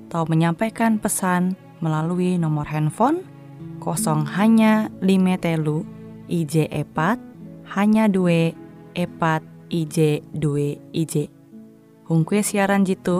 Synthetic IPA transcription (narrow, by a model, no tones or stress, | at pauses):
at̪auməɲampakanpəsan | məlaluinɔmɔrɦɛnfɔn | kɔsɔŋhaɲalimɛt̪elu | ʔid͡ʒɛʔepat̪̚haɲadueʔepat̪̚id͡ʒɛduɛid͡ʒɛ | huŋkuesiaɾand͡ʒit̪u